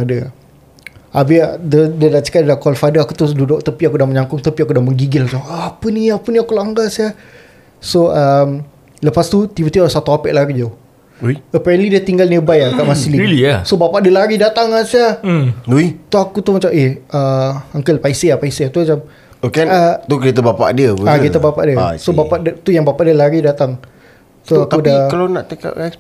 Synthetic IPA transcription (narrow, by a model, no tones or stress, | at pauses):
adə | abiadədədat͡ʃə̥kaʔdədakɔlfadəakut̪ududʊʔ̚t̪əpiakudaməɲaŋkʊŋt̪əpiakudahməŋɡiɡɪlat͡ʃamaːpəniapəniakulaŋɡasia | soʔəm | ləpast̪ut̪ibət̪ibasat̪uapɛʔlaɾid͡ʒa | əpɛɾənlidiət̪iŋɡalniəbajaŋkaʔmasililiasobapaʔdiəlaɾidat̪aŋasiauit̪uakut̪umat͡ʃamehəaŋkəlpaisiapaiseat̪umat͡ʃam | okɛnat̪ukɾet̪əbapa̰ʔdiəuakɾit̪əbapa̰ʔdiəsobapaʔdət̪ujaŋbapaʔdiəlaɾidat̪aŋ | t̪uakudakalanaʔt̪eka̰ʔa